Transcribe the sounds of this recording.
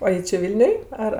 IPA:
oː ˈjɪ t͡ʃʲɪ ˈʋʲɪlʲnʲʊj ˈɐr

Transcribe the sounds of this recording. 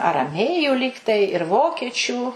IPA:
ɐrɐˈmʲeːjuː ˈlʲiːktɐɪ ɪr ˈʋoːkʲiɛt͡ʃʲuː

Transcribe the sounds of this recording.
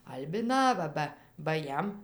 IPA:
ɐlʲbʲɪˈnɑːʋɐ ˈbɐ bɐ ˈjɛm

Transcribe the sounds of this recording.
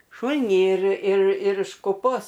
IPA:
ˈʃuːlʲnʲiː ɪr ɪr ɪr ɪʃ kʊˈpoːs

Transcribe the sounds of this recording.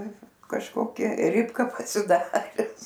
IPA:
kɐʃˈkoːkʲɛ ˈrʲɪpkɐ pɐsʲɪˈdɑːrʲɛs

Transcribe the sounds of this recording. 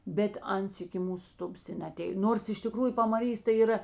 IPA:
bʲɛt ˈɐns ɪkʲɪ ˈmuːs ˈstʊbɐs ɪ nʲɛɐˈtʲeːj ˈnoːrs ɪʃ tʲɪˈkruːjʊ pɐmɐˈrʲiːs tɐɪ iːˈrɐ

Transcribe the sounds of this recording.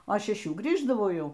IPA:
oː ʃʲɛˈʃʲuː ˈɡrʲiːʒdɐʋɐʊ ˈjɛʊ

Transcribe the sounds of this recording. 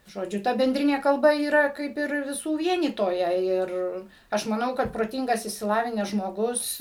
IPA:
ʒoːˈd͡ʒʲʊ ˈtɐ bʲɛnʲˈdʲrʲɪnʲeː kɐlˠˈbɐ iːˈrɐ ˈkɐɪp ɪr ʋʲɪˈsuː ˈʋʲiɛnʲiːtoːjɛ ˈɪr ˈɐʃ mɐˈnɐʊ kɐt proːˈtʲɪŋɡɐs ɪʃʲsʲɪˈlˠɑːʋʲɪnʲæːs ʒmoːˈɡʊs

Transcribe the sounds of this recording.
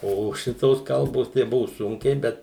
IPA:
ˈoː ˈʃʲɪtoːs ˈkɐlˠboːs tɐɪ ˈbʊʋʊ ˈsʊŋʲkʲɛɪ ˈbʲɛt

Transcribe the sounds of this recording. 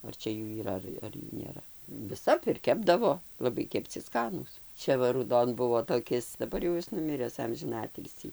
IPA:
ɐr ˈt͡ʃʲɛ ˈjuː iːˈrɐ ˈɐr ɐr ˈjuː nʲeːˈrɐ ʋʲɪˈsɐp ɪr ˈkʲæːbdɐʋoː lˠɐˈbɐɪ kʲɛpʲˈt͡sʲɪ ˈskɑːnuːs ˈt͡ʃʲɛ ʋɐ ruːˈdoːn ˈbʊʋoː toːˈkʲɪs dɐˈbɐr jɛʊ ˈjɪs nʊˈmʲɪrʲɛs ˈɐmʲʒʲɪnɐ ˈɑːtʲɪlʲsʲiː

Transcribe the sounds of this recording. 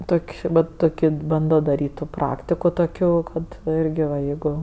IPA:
ˈtoːkʲ ˈʋɐt ˈtoːkʲoː ˈbɐndoː dɐˈrʲiːtʲ ˈtuː ˈprɑːktʲɪkoː toːˈkʲoː ˈkɐt ɪrʲɡʲɪ ʋɐ ˈjɛɪɡʊ

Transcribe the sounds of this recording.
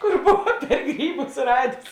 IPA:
kʊr ˈboːʋɐ pʲɛr ˈɡrʲiːˌbʊs ˈrɑːdʲeːs

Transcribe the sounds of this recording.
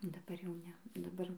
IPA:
dɐˈbɐr jɛʊ ˈnʲɛ dɐˈbɐr

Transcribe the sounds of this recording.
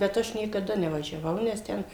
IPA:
bʲɛt ˈɐʃ nʲiɛkɐˈdɐ nʲɛʋɐʒʲɛˈʋɐʊ nʲɛs ˈtʲɛn

